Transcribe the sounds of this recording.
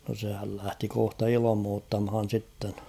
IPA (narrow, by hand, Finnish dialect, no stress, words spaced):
no sehæl læhti kohtɑ ilɑ̆moːtːɑmhɑn̞ sitːen